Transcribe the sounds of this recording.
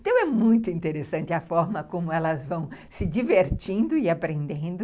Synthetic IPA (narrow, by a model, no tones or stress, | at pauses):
t̪ɐ̃w̃ɛmũj̃t̪ʊĩnt̪eɾesɐ̃nt̪ɪɐfɔɾmɐkõmʊɛlɐzvɐ̃w̃sɪd͡ʒiveɾt͡ʃĩnd̪ʊɪapɾẽnd̪ẽnd̪ʊ